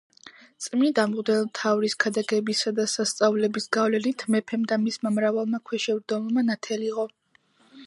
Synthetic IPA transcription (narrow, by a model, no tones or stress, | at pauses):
t̪sʼmid̪amʁd̪ɛlmt̪ʰavɾiskʰad̪aɡɛbisad̪asast̪sʼavlɛbisɡavlɛnit̪ʰmɛpʰɛmd̪amismamɾavalˠmakʰwɛʃɛvɾd̪ɔlɔmanat̪ʰɛliʁʼɔ